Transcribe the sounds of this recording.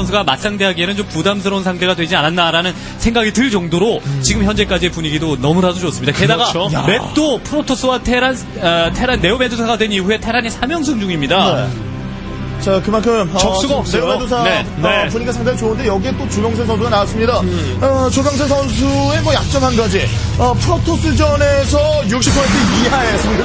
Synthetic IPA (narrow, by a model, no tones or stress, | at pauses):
ʌnsʰuɡamat̚s͈aŋde̞ɦaɡie̞nɯnt͡ɕompudamsʰɯɾʌunsʰaŋtʰe̞ɡadwe̞d͡ʑianandaɾanɯn | sʰe̞ŋɡaɡitɯɭd͡ʑʌŋdoɾot͡ɕiɡɯmçjʌnd͡ʑe̞k͈ad͡ʑie̞puɲiɡidonʌmudasʰod͡ʑʌs͈ɯmɲid̥akedaɡaomet͈opʰɯɾotʰos͈ɯwatʰeɾan | tʰeɾanːe̞ome̞dosʰaɡadwe̞niɸue̞tʰe̞ɾanesʰamjʌŋs̬ʰɯŋd͡ʑuŋimɲidae | t͡ɕakɯmaɭkʰɯmʌt͡ɕʌks͈uaʌp̚s͈ʌojmedosʰanenepuɲiɡasʰaŋdait͡ɕoɯnde̞jʌɡiet͈ot͡ɕuɡjʌŋsʰes̬ʰʌns̬ʰuɡanawas͈ɯmɲida | ʌt͡ɕoɡaŋsʰesʰʌnsʰue̞mʌjak̚t͡ɕ͈ʌŋɦanɡad͡ʑi | ʌpʰɯɾotʰos͈ɯd͡ʑʌne̞sʰʌjukɕ͈ipʰʌentʰɯiɦaes͈ɯmɲida